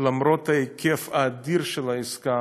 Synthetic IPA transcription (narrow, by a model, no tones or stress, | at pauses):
lamɾot̪aekefaːd̪iɾʃelaiska